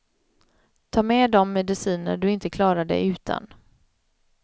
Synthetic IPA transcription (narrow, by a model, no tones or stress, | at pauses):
t̪ʰɑːmɛd̪ɔmːɛd̪ɪsiːnə̰ɖɵɪnt̪əkʰlɑːɾaɖɛ̰ʉ̟ːt̪ʰa̰n